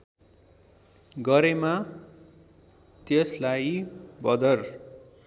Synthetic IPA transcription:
ɡʌɾema | t̪eslajbʌd̪ʌr

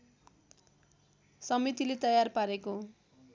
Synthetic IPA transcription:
sʌmit̪ilet̪ʌjarpaɾeko

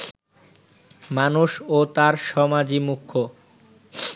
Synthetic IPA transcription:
manuʃot̪aɾʃɔmad͡ʑimukʰːo

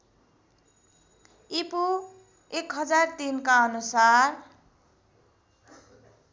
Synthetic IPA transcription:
ipu | ekɦʌd͡zart̪inkaʌnusar

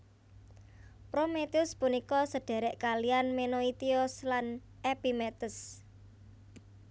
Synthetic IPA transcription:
pɾomet̪iʊspunikɔsəɖ̥ɛ̤ɾɛʔkalianmenoit̪iɔslan | ʔepimet̪əs

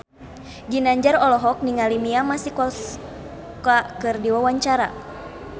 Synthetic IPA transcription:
d͡ʒinaɲd͡ʒarɔlɔɦɔk̚niŋalimiamasikɔs | kakɨrdiwawaɲt͡ʃaɾa̰

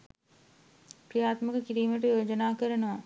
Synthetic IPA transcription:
pɾijaːt̪mɐkɐkiɾiːmeʈːɐjoːd͡ʒɐnaːkɐɾɐnɐʋɐ

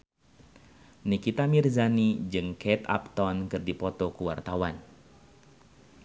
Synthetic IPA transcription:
nikit̪amirzanid͡ʒɨŋkɛt̪a̰p̚t̪ɔnkɨrdipɔt̪ɔkuwart̪awan

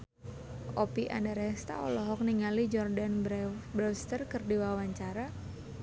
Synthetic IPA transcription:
ʔɔpiʔa̰ndaɾɛst̪a̰ɔ̰lɔɦɔk̚niŋalid͡ʒɔrdanbbɾɔst̪ərkɨrdiwawaɲt͡ʃaɾa

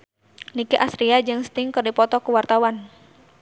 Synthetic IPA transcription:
nikiʔasɾiad͡ʒɨŋst̪ɪŋkɨrdipɔt̪ɔkuwart̪awan

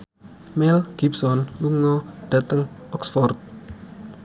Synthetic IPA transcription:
mɛlɡ̥ipsɔnluŋɔɖ̥ä̤t̪əŋɔksfɔrt̪̚

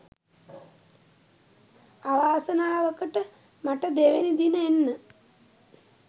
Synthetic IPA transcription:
aʋaːsənaːʋəkəʈə | maʈəd̪eʋenid̪inəenːə

